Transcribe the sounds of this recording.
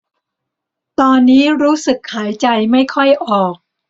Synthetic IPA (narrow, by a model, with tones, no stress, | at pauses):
t̪ɔː˧nːiː˦˥ɾuː˦˥sɯ˨˩k̚haː˩˦jt͡ɕa˧jma˥˩jkʰɔ˥˩jʔɔː˨˩k̚